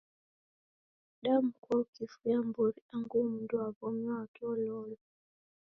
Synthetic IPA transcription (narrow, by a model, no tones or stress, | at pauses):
ɗam̩kɔkifujambɔɾiaŋɡum̩nduaβɔmɔakɔlɔlɔ